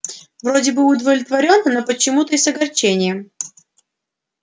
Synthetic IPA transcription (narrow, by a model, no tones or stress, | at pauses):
vrodʲɪbɨʊd̪vəvlʲɪt̪vɐɾʲo̞nnopət͡ɕɪmut̪əɪsɐɡɐrt͡ɕenʲɪjə